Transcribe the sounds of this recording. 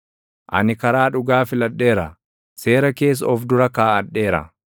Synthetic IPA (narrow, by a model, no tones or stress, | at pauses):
ʔɐ̰nɪkɐɾaːᶑʊɡaːfɪlɐᶑːe̞ːɾɐ | se̞ːɾɐke̞ːs̬ːɔfd̪ʊɾɐkaːɐᶑːe̞ːɾɐ̰